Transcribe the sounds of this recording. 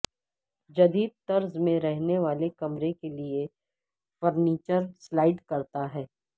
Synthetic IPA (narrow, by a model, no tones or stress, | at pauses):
d͡ʒɐd̪iːd̪̚t̪ɐɾzmẽɾɛɦneʋaːlekɐmɾekelie | fɐɾniːt͡ʃəɾslaːɪɖkɐɾt̪aɦɛː